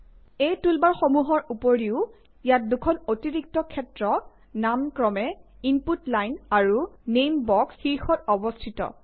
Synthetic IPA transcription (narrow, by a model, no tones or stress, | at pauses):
ejtulbaɹxomuɦɔɹupoɹiʊ | ijat̚dukʰɔnotiɹik̚tɔkʰɛtɹɔ | namkɹɔmɛ | imputlajnaɹunejmbɔksxiɹxɔtɔbɔstʰitɔ̰